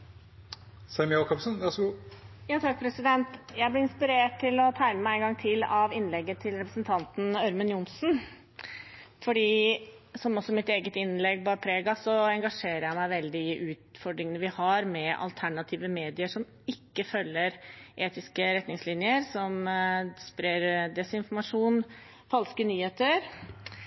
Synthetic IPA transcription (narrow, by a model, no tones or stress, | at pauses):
sɛɪmɪokʰɑpsənʋɑʂɔɡuːjɑːt̪ʰɑk̚pʰɾɛsɪd̪ɛnt̪jæɪblɪɾɪnspɪɾeːʈʰːɪlɔt̪ʰæɪməmæɪɛŋɡɑŋt̪ʰɪlɑʋɪnːlɛɡːət̪ʰɪlɾɛpɾəsənt̪ʰɑnt̪n̩œɾmənjʊnsn | fɔɖiːsɔmɔsɔmɪt̪eːɡət̪ɪnlɛɡ̚bɑːɾpʰɾeːɡɑsɔɛŋɡɑʂeːɾəɾjæɪmæɪʋɛld̪ɪɪɪʔʉːt̪fɔɖɾɪŋənəʋɪhɑɾmɛʔɑ̰lt̪ʰæɳɑt̪ʰiːʋəmeːd̪ɪəʂɔm | ɪkːəfœlːəɾʔeːt̪ɪskəɾɛt̪nɪŋslɪnjəɾsɔmspɾeɾd̪ɛsɪnfɔɾmɑʂuːn | fɑlskənyːheːt̪əɾ